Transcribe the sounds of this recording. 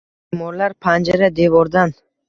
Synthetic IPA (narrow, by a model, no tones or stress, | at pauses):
bemɒɾlaɾpʰand͡ʒaɾad̪e̞vɒɾd̪an